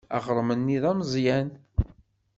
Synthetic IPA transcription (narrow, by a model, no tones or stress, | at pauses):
æ̰χɾˤmənːiðˤæmzˤjæn